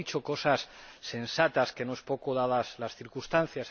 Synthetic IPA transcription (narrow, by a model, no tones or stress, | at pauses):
it͡ʃo̞ko̞sasːe̞nsat̪aske̞noe̞spo̞koðaðaslasθiɾkust̪anθjas